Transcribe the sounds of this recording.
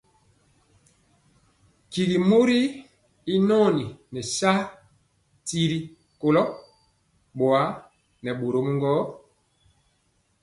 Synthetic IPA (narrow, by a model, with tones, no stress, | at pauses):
ki˨ɡi˨mo˦ɾi˦ | i˦nɔ˦˨ni˨nɛ˨sa˦ | ti˦ɾi˦ | ko˨lɔ˦ | ɓwa˨˦ | nɛ˨ɓo˨ɾo˦mu˦ŋɡɔ˦